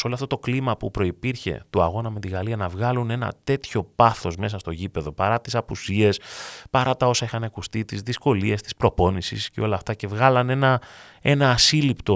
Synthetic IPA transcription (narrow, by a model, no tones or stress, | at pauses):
soloɐft̪ot̪o̞klimɐpupɾo̞ipiɾçe̞̰t̪uɐ̰ɣo̞nɐme̞t̪iɣɐliɐnɐvɣɐlune̞nɐ̰t̪e̞t̪ço̞pɐθo̞zme̞sɐst̪o̞ʝipe̞ðo̞pɐɾɐt̪isɐpusie̞spɐɾɐt̪ɐo̞sɐixɐnɐkust̪it̪izðisko̞lie̞st̪i̥spɾo̞po̞nisisceo̞lɐːft̪ɐce̞vɣɐlɐne̞nɐe̞nɐːsilipt̪o̞